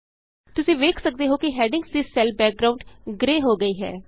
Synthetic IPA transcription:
t̪ʊsĩːʋeːkʰsək̚d̪eːɦoːkɪɦɛːɖɪ̃ŋɡsd̪isɛlbɛːk̚ɡɾaːʊɳɖɡɾeːɦoːɡəiːɦɛ̰ː

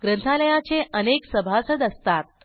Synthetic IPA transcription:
ɡɾənt̪ʰaləjat͡seʔəneksəbʱasəd̪əst̪at̪̚

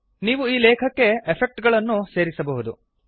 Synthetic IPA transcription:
niːʋuiːlɛːkʰɐkːe̞epʰek̚ʈɡɐɭɐnːuse̞ːɾisɐbɐɦud̪u

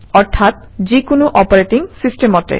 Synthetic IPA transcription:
ɔɾt̪ʰat̪̚ | d͡ʒikunuʔɔpɔɾeʈiŋsisʈemɔʈḛ

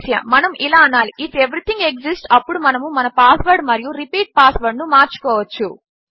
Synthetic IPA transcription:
sja̰mɐnɐmʔilaːɐnaːliʔiʈeʋɾit̪iŋɡeksisʈɐpːuɽumɐnɐmumɐnɐpaːsʋɐɾɖmɐɾijuɾipiːʈ̚paːsʋɐɾɖnumaːɾt͡ʃu̥kɔːʋɐt͡ʃːu

